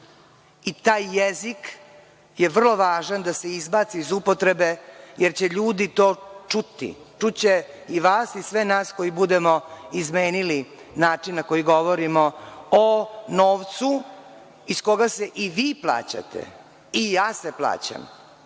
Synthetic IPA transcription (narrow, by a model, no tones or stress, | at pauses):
it̪aːjːezik | jeʋr̩lˠo̞ʋaːʒand̪aseizbaːt̪siizupot̪ɾe̞be̞jeɾt͡ɕeʎuːd̪it̪oːt͡ʂut̪ḭ | t͡ʂut͡ɕe | iʋaːsisʋenaːsko̞jibud̪emoizmeːnili | naːt͡ʂinnako̞jiɡo̞ʋoɾimoonoːʋt̪su | isko̞ɡase̞ʔiʋiːplˠa̰ːt͡ɕa̰t̪ʰḛ | ijaːseplˠa̰ːt͡ɕa̰m